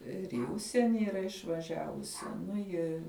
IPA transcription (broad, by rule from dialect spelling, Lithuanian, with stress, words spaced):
ɪr iː ˈʊʃʲsʲiɛnʲɪ iːˈrɐ ɪʃʋɐˈʒʲæːʋʊsʲɪ ˈnʊ ˈjɪ